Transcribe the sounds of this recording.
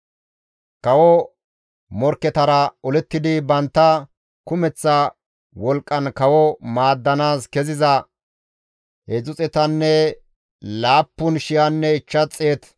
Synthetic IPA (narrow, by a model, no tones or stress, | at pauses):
kɐwɔ | mɔɾkːɛt̪ɐɾɐɔlɛt̪ːɪd̪ɪbɐnt̪ːɐ | kʊmɛt͡sːɐ | wɔlkʼːɐnkɐwɔmaːd̪ːɐnaːskɛzɪzɐ | hɛzʊt͡sʼɛt̪ɐnːɛ | laːpːʊnʃɪjɐnːɛɪt͡ʃːɐt͡sʼːeːt̪